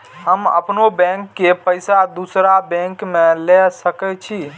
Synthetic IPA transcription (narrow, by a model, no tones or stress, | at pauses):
ɦəmə̰pnobɛ̃ŋkːepəjsad̪usɾabɛ̃ŋkmẽlesəkɛt͡ʃʰi